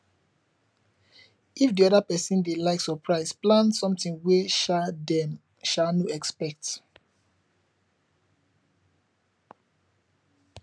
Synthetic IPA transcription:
ifdiɔɾapɛsĩndelaɪksɔpʰɹaɪsplãnsɔ̃mtĩŋwedɛm | ʃanɔɛkspɛk̚t

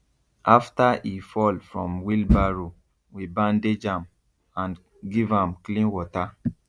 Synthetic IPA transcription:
ʔaftaifɔlfɹɔ̃mwilbaɹo | wibãnded͡ʒãm | ãn | ɡivãmklĩnwɔta

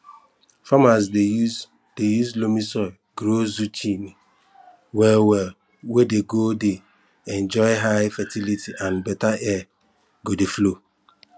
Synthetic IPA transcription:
famasd | d̥ejuzlomisɔ | ɡɾozut͡ʃʰini | wɛwɛ | wedeɡode | ɛ̃nd͡ʒɔɪɦaɪfatʰilitʰiʔãnbɛtaʔɛ | ɡodeflo

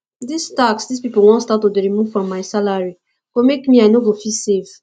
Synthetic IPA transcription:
distaksdispipolwɔ̃nstatudeɹimuvfɹɔ̃mːajsalaɹi | komekmiajnovofisev

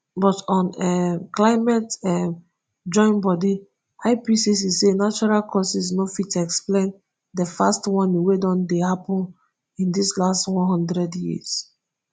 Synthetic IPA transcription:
bɔtɔ̃nɛklaɪmɛtɛm | d͡ʒɔ̃ɪ̃nbɔdi | aɪpisisisenat͡ʃɔɹalkʰɔsisnofitɛksplẽn | dəfastwɔ̃niwedɔ̃ndehapɔ̃n | ĩndislastwɔ̃nɦɔ̃ndɹɛdjiz̥

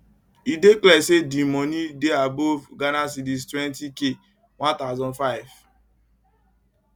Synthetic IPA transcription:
ideklɛsedimɔnideabɔvɡanas̬idiztwɛ̃ntike | wãntaʊzɔ̃nfaɪv

